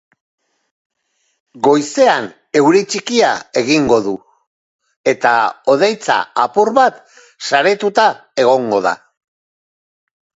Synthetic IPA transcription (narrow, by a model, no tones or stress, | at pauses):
ɡo̞jse̞an | e̞wɾit͡ʃikiae̞ɣiŋɡo̞ðu | e̞t̪ao̞ðejt͡sa̰apuɾβat̪ | saɾet̪ut̪ae̞ɣ̞o̞ŋɡo̞ða̰